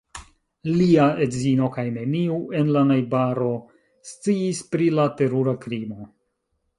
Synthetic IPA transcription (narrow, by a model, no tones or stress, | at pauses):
liaʔe̞dzino̞kajne̞niuʔe̞nlanajbaɾo̞ | st͡siːspɾilate̞ɾuɾakɾimo̞